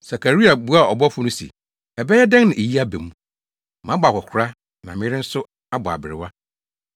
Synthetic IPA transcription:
sa˨kʰa˨ɾi˦a˨bu˦a˦˨ɔ˨bɔ˦fʊ˦nʊ̃˦sḭ˨ | ɛ˨bɛ˦jɛ˦da˦ŋ˦nã˨e˨ji˦a˦be˨mũ˦ | mã˨˦bɔ˨a˨hʷɔ˨kʷʰʊ˦ɾa˦ | nã˨mɪ̃˦ɪ˦ɾɪ˦n̩˦sʊ˦ | a˦bɔ˨a̰˨bɪ˨ɾɪ̰˨wa˦

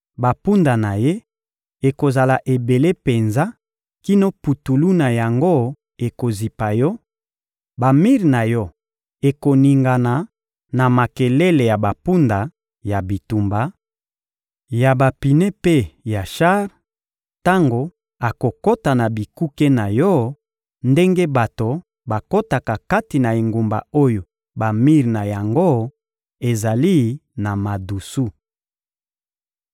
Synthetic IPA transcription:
ba˨pu˦nda˨na˨je˦ | e˨ko˨za˨la˨ʔe˨be˨le˦pe˨nza˦ | ki˦no˦pu˨tu˨lu˦na˨ja˨ŋɡo˦ | e˨ko˨zi˨pa˨jɔ˦ | ba˨mi˦ʁna˨jɔ˦ | e˨ko˨ni˨ŋɡa˨na˨ | na˨ma˨kɛ˨le˦le˨ja˨ba˨pu˦nda˨ | ja˨bi˨tu˨mba˨˦ | ja˨ba˨pi˨ne˦pe˦ja˨ʃa˦ʁ | ta˦ŋɡo˨ | a˨ko˨ko˦ta˨na˨bi˨ku˦ke˦na˨jɔ˦ | nde˦ŋɡe˦ba˨to˨ | ba˨ko˦ta˨ka˨ka˦ti˨na˨e˨ŋɡu˨mba̰˨o˦jo˨ | ba˨mi˦ʁna˨ja˨ŋɡo˦ | e˨za˨li˦na˨ma˨du˨su˦

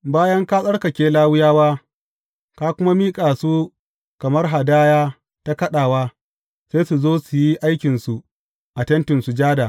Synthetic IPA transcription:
baː˦jɐ˦ŋka˦sʼɐ˦ɽkɐ˨kʲeː˦laː˦wʊ˦jaː˦waː˦ | ka˦kʷʊ˦ma˦miː˦kʼaː˨su˦ | kɐ˨mɐ˦rɦa˨daː˦jaː˦ | ta˦kɐ˦ɗaː˨waː˦ | seː˦su˨zoː˦su˨ji˦ʔa˦jkʲɪ˨nsu˨ | ʔa˨tɐ˦ntɪ˨nsu˨d͡ʒaː˦da˨

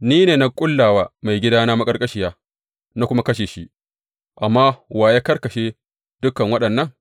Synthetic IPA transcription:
niː˦neː˨na˦kʷʼʊ˦lːaː˨waː˦ma˨jɡʲɪ˦daː˦naː˦ma˦kʼɐ˦rkʼɐ˦ʃɪ˦jaː˦ | na˦kʷʊ˦ma˦kɐ˦ʃeː˨ʃi˦ʔ | ʔa˨mːaː˦waː˨jaː˦kɐ˦rkɐ˨ʃeː˦ | d̥ʊ˦kːɐ˨ŋwɐ˦ɗɐ˨nːɐ˦ŋ

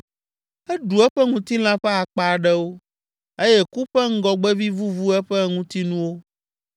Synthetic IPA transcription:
ɛ˦ɖu˨ɛ˦ɸɛ˦ŋũ˦t̪i˦l̃ã˦ɸɛ˦a˨k͡pa˨a˨ɖɛ˦wo˦ | e˦jɛ˦ku˦ɸɛ˦ŋ̩˦ɡɔ˨ɡ͡bɛ˦vi˦vu˦vu˦ɛ˦ɸɛ˦ŋũ˦t̪i˦nũ˦wo˦

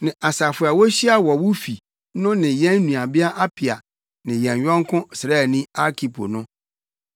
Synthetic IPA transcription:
nɪ̃˨ʔa˨sa˨fʊ˨˦a˨wɔ˦ɕi˦a˦wɔ˨wʊ˦fi˨ | nʊ̃˦nɪ̃˨jɛ̃˦nː˦ũ˨a˨bɪ˦a˦ʔa˦pʰɪ˨a˨ | nɪ̃˨jɛ̃˨n˨ɥᶣɔ̃˦ŋ˦kʰʊ̃˦sɾa˦˨nĩ˦a˦kʰi˨pʰo̰˨nʊ̃˦

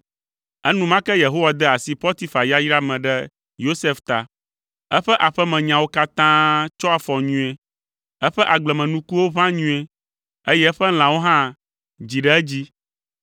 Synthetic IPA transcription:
ɛ˦nũ˦mã˦kɛ˦je˨ɦo˦wa˨d̪ɛ˦a˨si˦ɸɔ˦t̪i˦fa˨ja˦jɾa˦mɛ̃˨ɖɛ˦ | jo˦se˦ft̪a̰˨ | ɛ˦ɸɛ˦ʔa˨ɸɛ˦mɛ̃˨ɲã˨wo˦ka˦t̪ã˦t͡ʃɔ˦a˨fɔ˨ɲũ˨˦e˨ | ɛ˦ɸɛ˦ʔa˨ɡ͡blɛ˨mɛ̃˨nũ˦ku˦wo˦βã˦ɲũ˦e˨ | e˦jɛ˦ɸɛ˦l̃ã˨wo˦ɦã˦ | d͡ʑi˨ɖɛ˦ɛ˦d͡ʑi˦

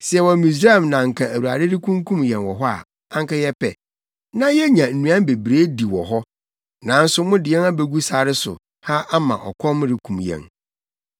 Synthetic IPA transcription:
sɪ˨ɛ˨wɔ˨˦mĩ˨s̬ɾa˦˨mnã˨ŋ̩˨kʰã˨æ˨wu˨a̰˨dɪ˦ɾɪ˦kʰũ˦ŋkʰũ˦mjɛ̃˨nwɔ˨ɦɔ˦a̰˨ | ã˦ŋ˦ka˦jɛ˦pʰɛ̰˨ | nã˦jɛ˦ɲã˨n̩˨nũ˨ã˦m˦be˨bɾeː˦di˨wɔ˨ɦɔ˦ | nã˨˦n̩˦sʊ˦mʊ̃˦dɪ˨ɛ˦na˦be˦ɡu˦sa˦˨ɾɪ˦sʊ̰˨ | ha˦ʔa˦mã̰˨ʔɔ̰˨kʰɔ̃˦m˦ɾɪ˨kʰũ˨mjɛ̰̃˨n

